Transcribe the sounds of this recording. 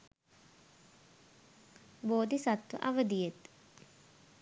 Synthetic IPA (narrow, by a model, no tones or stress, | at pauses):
boːd̪isat̪ʋə̰ʔɐʋəd̪ijet̪